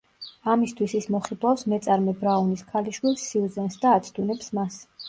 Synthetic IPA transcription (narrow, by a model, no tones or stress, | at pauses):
amist̪ʰwisismɔχid̪vafsmɛt̪sʼaɾmɛbɾauniskʰaliʃwilsːiuzɛnsd̪aːt̪sʰd̪unɛpsmas